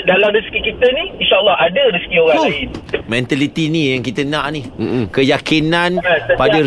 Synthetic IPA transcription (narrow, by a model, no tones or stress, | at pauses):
dalamɾisi̥kikit̪ənĩinʃaʔəlːɑɦadəɾisə̥kioɣãimɛ̃nt̪alit̪inĩjaŋkit̪ənãʔnim̩kəjakinãnapadə